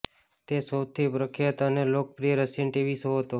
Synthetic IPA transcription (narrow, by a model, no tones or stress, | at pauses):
t̪esəwt̪ʰipɾəkʰjət̪ənelok̚pɾijəɾəsinʈiʋisɦoɦət̪o